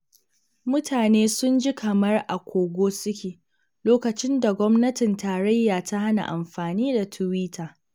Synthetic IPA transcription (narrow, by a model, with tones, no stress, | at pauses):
mʊ˦tʰaː˨neː˦sʊ˦nd͡ʒi˦kʰɐ˨mɐ˦rʔa˨kʷʰoː˨ɡʷoː˦sʊ˦kʲeː˨ | loː˦kɐ˨t͡ʃɪ˦nda˨ɡʷɔ˦mnɐ˦tɪ˨ntaː˨ɾɐ˦jːaː˨ta˦ha˦na̰˨ʔa˨mɸaː˨niː˦da˨tʰʊ˨wiː˦tʰaː˨